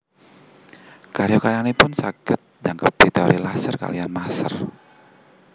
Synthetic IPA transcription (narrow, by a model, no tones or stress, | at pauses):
kaɾjokaɾanipʊnsaɡ̥ət̪̚d͡ʒaŋkəp̚d̥it̪ɔɾʔilasərka̰lianmasə̰r